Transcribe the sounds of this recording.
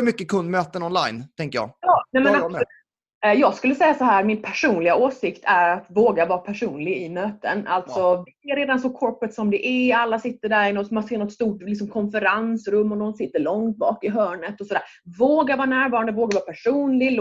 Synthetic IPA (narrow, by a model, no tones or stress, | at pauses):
mʏkːəkʰɵnd̪møːt̪ənɔnla̰jnt̪ʰɛŋkəjɑ̰ːjɑːnɛmɛnas | jɑːɡskɵlːəsɛjːasɔɦæːɾmɪnpʰæʂuːnlɪɡaoːsɪkt̪ʰæɾat̪voːɡaɾvɑːɾapʰæʂuːnlɪɡɪmøːt̪ə̰na̰lt̪sɔvɪɛɾeːd̪ansɔkʰɔɾpət̪sɔmd̪ɛʔɛalːasɪt̪ːəɖæɾɪnɔt̪manseːɳɔt̪st̪uːʈlɪks̬ɔmkʰɔnfəɾansɾɵmːɔnɔnsɪt̪ːəɭɔŋt̪̚bɑːkɪɦœːɳət̪ɔsɔd̪æːɾ | voːɡaɾvɑːɾanæːɾvɑːɾand̪əvoːɡaɾvɑːɾapʰæʂuːnlɪl